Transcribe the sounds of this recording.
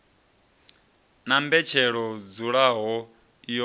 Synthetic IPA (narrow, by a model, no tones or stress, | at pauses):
nambɛt͡ʃʰɛɺɔd͡zuɺaɦɔ | jɔ